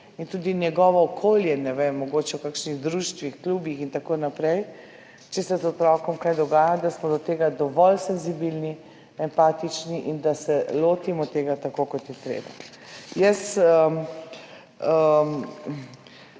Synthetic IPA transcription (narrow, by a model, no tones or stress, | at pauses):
int̪uːd̪injɛɡɔʋɔːkʰoːljɛnɛʋemːɔɡoːt͡ʃɛwkakʃniɣd̪ɾuʃt̪ʋixkluːbjixint̪akoːnapɾɛj | t͡ʃɛsɛzɔt̪ɾɔkɔmkajd̪ɔɡaːjad̪asmɔd̪ɔt̪eːɡad̪ɔʋɔlsɛnzibilni | ɛmpaːt̪it͡ʃniʔind̪asɛloːt̪imɔt̪eːɡat̪akokɔt̪jɛt̪ɾḛːba̰ | jɛsə | ə